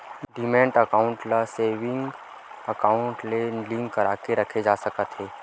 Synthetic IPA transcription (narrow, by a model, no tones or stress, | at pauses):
ɖiːmɛ̃ːɳʈəkaːʊ̃ɳʈlaseːʋɪ̃ŋɡ | əkaːʊɳʈlelɪ̃ŋkːəɾaːkeɾɐkʰed͡ʒaːsəkət̪ɦeː